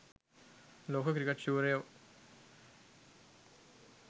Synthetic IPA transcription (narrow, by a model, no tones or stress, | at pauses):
loːkʰɐkɾikːeʈɕuːɾɐjoː